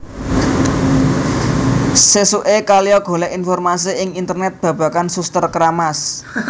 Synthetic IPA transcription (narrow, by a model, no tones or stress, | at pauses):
sesuʔekalijɔɡ̥o̤lɛʔinfɔrmas̬iɪŋint̪ərnɛt̪̚b̥ä̤b̥ä̤kansust̪ərkɾamas